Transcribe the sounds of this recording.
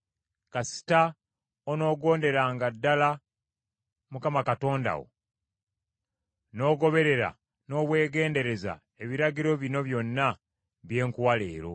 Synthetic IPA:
kasi̥ta | ono̞ːɡo̞ːnde̞ɾaːŋɡadːala | mukamakato̞ːnda̰wo̞̰ | no̞ːɡo̞βe̞ɾe̞ɾa̰ | no̞ːβwe̞ːɡe̞ːnde̞ɾe̞za̰ | e̞βiɾaɡiɾo̞βino̞βjo̞nːa | βje̞ːŋkuwalḛːɾo̞̰

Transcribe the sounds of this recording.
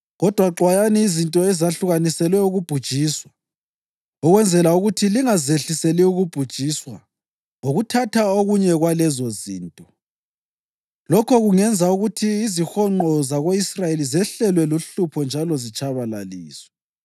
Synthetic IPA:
ɣɔd̥ʱwaǃwajaniːzintʼɔɛzaɬuɣanisɛlwɛuɣub̥ʱud̥ʒ̥ʱiːswa | ɔɣwɛnd͡zʱɛlauɣutʰiliŋazeɬiselɛuɣub̥ʱud̥ʒ̥ʱiːswa̰ | ŋoɣutʰatʰaoɣuɲɛɣwalɛzɔzḭːntʼɔ | lɔkʰɔɣuŋɛnd͡zʱauɣutʰiːzixɔŋ͡ǃɔzaɣoisrajelizɛɬɛlwɛloɬupʰɔnd͡ʒʱalɔzit͡ʃʼaβala̰liːswɛ

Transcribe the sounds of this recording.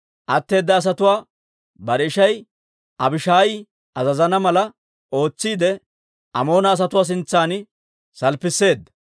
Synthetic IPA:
ʔɐt̪ːe̞ːd̪ːɐːs̬ɐt̪ʊwaː | bɐɾɛɪʃɐj | ʔɐbɪʃaːjɪ | ʔɐzɐzɐnɐmɐlɐ | o̞ːt͡sːiːd̪ɛ | ʔɐmo̞ːnɐːs̬ɐt̪ʊwaːs̬ɪnt͡sːaːn | sɐlpɪsːe̞ːd̪ːɐ

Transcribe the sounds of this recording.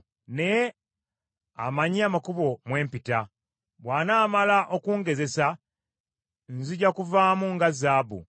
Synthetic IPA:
nej | a̰maɲiamakuβo̞mwe̞ːmpita | βwaːnaːmalaʔo̞kuːŋɡe̞ze̞sa | nziɟakuvaːmuŋɡazaːbṵ

